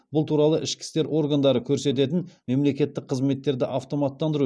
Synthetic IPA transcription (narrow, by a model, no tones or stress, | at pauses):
bʊlˠt̪ʰuɾɑlˠəʔɪʃkʲɪ̥st̪e̞ɾʔo̞ɾɡand̪ɑɾəkʲʰɵɾse̞t̪̬e̞t̪ɪnme̞mle̞kʲe̞t̪ːɪk̚qʰəzme̞t̪ːe̞ɾd̪ɪʔɑft̪o̞mɑt̪ːɑnd̪əɾu